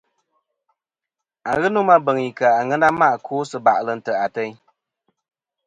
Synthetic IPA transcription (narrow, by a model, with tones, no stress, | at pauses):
a˨ɣɨ˦nu˦ma˦bə˨ŋi˨ka˨a˨ŋə˦na˦ma˦ʔkʰoː˦sɨ˨ba̰˨ʔlə˨n̩˨tə˨a˨tɛ˦ɲ